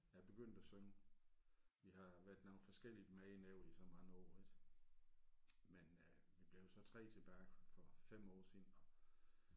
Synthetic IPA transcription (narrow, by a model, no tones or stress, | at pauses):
jæb̥e̝ɡ̥øn̰d̥æsøŋə | ʋihɑ̈ʋæɐd̥noːn̩fɒ̽sɡ̥el̰id̥mɛɪneʊ̰isɒ̽mɑ̈ːn̩ɒ̰ːid̥ | men | ʋib̥le̝ʊjsɒ̽t͡sʰʁɛ̰ːt͡sʰe̝b̥æːfɒ̽fem̰ɒ̰ːsiːn̩ɒ̽